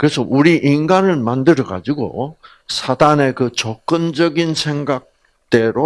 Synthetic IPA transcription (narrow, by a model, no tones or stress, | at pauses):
kɯɾe̞sʰʌʔuɾiʔinɡanɯɭmandɯɾʌɡa̰d͡ʑiɡo̰ | sʰadane̞kɯt͡ɕʌk͈ɯnd͡ʑʌɡinsʰe̞ŋɡak̚ | t͈e̞ɾo